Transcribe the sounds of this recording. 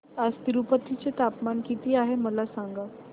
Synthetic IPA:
ad͡zt̪iɾupət̪it͡set̪apmankit̪iːaɦeməlasaŋɡa

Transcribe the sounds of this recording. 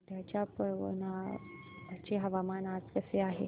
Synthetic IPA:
t̪jat͡ɕjapəʋo̰na | at͡ɕeɦəʋamanad͡zkəseaɦḛ

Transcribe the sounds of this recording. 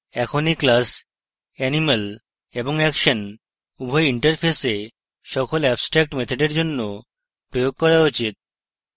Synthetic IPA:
ɛkʰoniklas | ɛnimal | eboŋɛkʃan | ubʱɔjiɳʈaɾpʰese | ʃɔkolɛbsʈɾɛk̚ʈmɛt̪ʰoɖeɾd͡ʑonːo | pɾojoɡ̚kɔɾaot͡ɕit̪̚

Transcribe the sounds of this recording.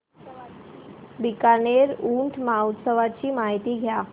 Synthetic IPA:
bikaneɾuɳʈʰmaut̪səʋat͡ɕiːmaɦit̪iːɡʱja

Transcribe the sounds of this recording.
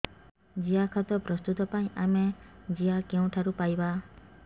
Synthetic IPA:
d͡ʒiakʰat̪ɔpɾɔst̪ut̪ɔpaĩʔamed͡ʒiakeũt̪ʰaɾupajba

